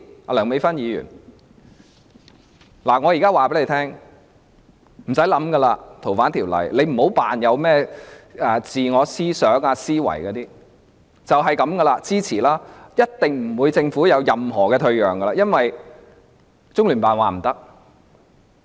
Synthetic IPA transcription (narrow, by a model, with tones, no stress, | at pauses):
a˧lœː˨˩ŋme˨˧˥fɐ˥njiː˨˧jy̰ː˨˩n | laː˨˩ŋɔː˨˧jiː˨˩kaː˥waː˨˩pe˨˥le˨˩t̪ʰɛː˥ŋ | m̩˨˩sɐ˨˥jlɐ˨˥mɡɐ˧laː˧t̪ʰo˨˩wfaː˨˥nt̪ʰiː˨˩wlɐ̰˨˩jle˨˧jm̩˨˩ho˨˥wpaː˨njɐ˨˧wmɛː˥ʔaː˨˧t͡siː˨ŋɔː˨˧siː˥sœː˨˥ŋaː˧siː˥wɐ̰˨˩jkɔː˨˧t̪iː˥ | t͡sɐ˨wɦɐ˨jkɐ˨˧˥mɡɐ˧laː˧t͡siː˥t͡sʰiː˨˩laː˦˥jɐ˥t̚t̪ɪ˨ŋm̩˨˩wuː˨˧jt͡sɪ˧ŋfu˨˥jɐ˨˧wjɐ˨mɦɔː˨˩kɛː˧t̪ʰɵ˧ɥjœː˨˩ŋɡɐ˧laː˧jɐ˥nwɐ˨j | t͡sʊ˥ŋlyː˨˩npaː˨nwaː˨m̩˨˩t̪ɐ˥k̚